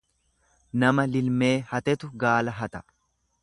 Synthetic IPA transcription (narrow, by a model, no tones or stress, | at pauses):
nɐmɐlɪlme̞ːhɐt̪ɛt̪ʊɡaːlɐɦɐt̪ɐ